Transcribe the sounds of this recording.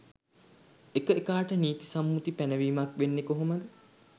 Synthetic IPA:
ekəekaːʈəniːt̪i̥samːut̪ipænəʋiːmakʋenːekoɦoməd̪ə

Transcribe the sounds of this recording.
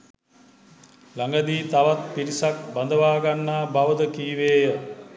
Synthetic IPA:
laŋɡad̪iːt̪aʋat̪piɾisak̚band̪əʋaːɡanːaːbaʋəd̪əkiːʋeːjə

